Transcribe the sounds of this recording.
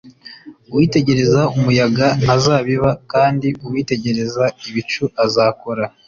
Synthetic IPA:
uwiːte̞ɟe̞ɾe̞zaumujaɡan̥azaːβiβakaːndiʔuwiːte̞ɟe̞ɾe̞zaiβit͡ʃuʔazaːko̞ɾa

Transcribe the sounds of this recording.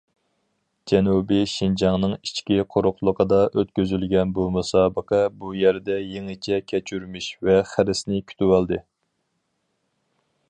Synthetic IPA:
d͡ʒɛnubɪʃind͡ʒɑŋnɨŋit͡ʃkʲiqʰoɾʊqlˠəqəd̪ɑʔøt̪kʲøzylɡʲɛnbumusɑːbəqʰɑbujɛɾd̪ɛjeŋɪt͡ʃʰɛkʲʰɛt͡ʃʰyɾmiʃvɛχæɾɪsnɪkʲʰy̥t̪ʰywɑlˠd̪ɨ

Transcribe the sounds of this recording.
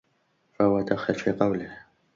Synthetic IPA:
fahʊwad̪axalfiːqɑwlɪh

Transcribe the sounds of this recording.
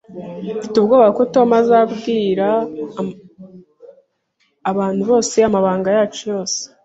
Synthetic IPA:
fi̥tubɡoːβaβakoto̞mazabɡiːɾa | βaːn̥huβo̞ːse̞jamaβaːŋɡajaːt͡ʃojo̞ːse̥

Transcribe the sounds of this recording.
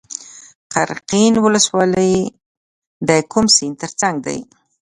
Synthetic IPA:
qa̰ɾqinwʊləswɑləj | d̪əkʰumsint̪əɾt͡saŋɡ̚d̪a̰j

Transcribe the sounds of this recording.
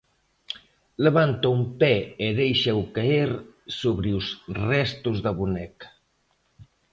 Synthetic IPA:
ləβant̪aumpɛeðejʃewkaeɾsoβɾiusrɛst̪uzðaβunɛk

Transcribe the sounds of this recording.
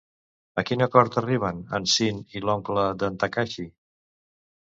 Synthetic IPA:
əkinəkɔɾt̪əriβ̞ənə̰nsinilɔŋkləd̪ənt̪əkaʃi

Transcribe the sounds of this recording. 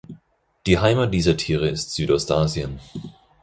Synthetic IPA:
d̥iːɦaɪmat̚d̥iːzɐtʰiːʁ̞əɪstz̥yːtɔstʔaːzjən

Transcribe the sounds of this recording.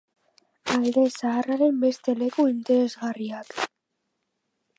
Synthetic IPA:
ajðesaːraɾe̞mbe̞st̪e̞le̞kuint̪e̞ɾe̞zɣariak

